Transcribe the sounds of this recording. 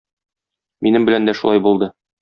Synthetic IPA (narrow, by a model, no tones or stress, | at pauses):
minɘmbɘ̆lænd̪æʃulˠɑjbulˠd̪ɤ